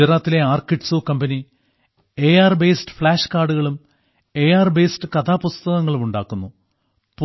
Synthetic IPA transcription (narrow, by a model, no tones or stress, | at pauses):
ɐɾaːt̪ːile̞aːrkiʈsoːkɐmbɐni | e̞jaːrbe̞ːsʈɨ̥fɭaːʂkaːɖuɣɐɭum | e̞ːjaːrbeːstɨkɐt̪ʰaːpust̪ɐɣɐŋːɐɭumuɳɖaːkːunːu | pu